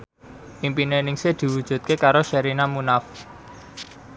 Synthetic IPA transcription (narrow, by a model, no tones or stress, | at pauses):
ʔimpinenɪŋsed̪̥i̤wud̥ʒ̥ṳt̪̚kekaɾoʃɛɾinamunaf